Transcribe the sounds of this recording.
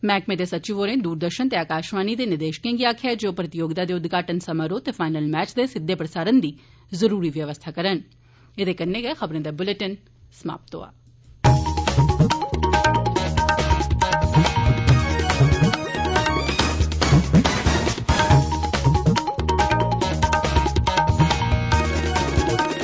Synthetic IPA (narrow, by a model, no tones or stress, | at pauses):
mɛːkmeːd̪eːsətːt͡ʃɪʋoːɾẽːd̪uːɾd̪əɾʃənt̪eːaːkaːʃmaːniːd̪eːnɪɾd̪eːʃkẽːɡiaːkʰjad͡ʒoːpɾət̪ɪjoːɡd̪aːd̪eːʊd̪ɡaːʈənsəməɾoːt̪eːfʰaːɪnəlmɛːt͡ʃd̪eːsɪd̪ːeːpɾəsaːɾənd̪iː | zəɾuːɾiːʋjəʋəst̪ʰaːkəɾən | eːd̪eːkənːẽːɡɛxəbɾẽːd̪eːbʊləʈən | səma̰ːp̚t̪o̰ːa̰ː